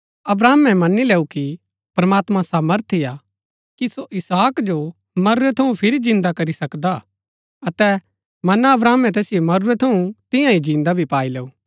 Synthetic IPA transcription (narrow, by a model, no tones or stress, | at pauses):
ɐbɾaːmɛ̃mɐnileːuki | pɾɐmaːt̪mãsaːməɾt̪ʰija | kisoʔɪsaːkd͡ʒo | mɐɾɾɛt̪ʰɐũpʰɪɾid͡ʒɪ̃nd̪akɐɾisɐkd̪a | ɐt̪ɛ | mɐnaɐbɾaːmɛ̃t̪ɛːsɪjomɐɾʊɾɛt̪ʰɐũt̪ɪ̃jãid͡ʒĩːnd̪abʱipaːileːuː